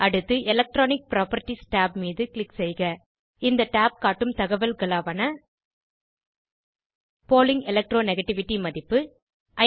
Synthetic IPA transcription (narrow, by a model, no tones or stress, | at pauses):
ʔɐɽɯt̪ːɯʔɛlɐk̚ʈɾoːnɪk̚pɾaːpɐɾʈːisʈaːpmiːðɯklɪksɛjɣɐ | ɪnd̪ɐʈaːp̚kaːʈːɯmt̪ɐɣɐʋɐlɡɐlaːʋɐnɐ | poːlɪŋɡɛlɐk̚ʈɾoːnɛɣɐʈːɪʋɪʈːimɐðɪpːɯ | ʔɐ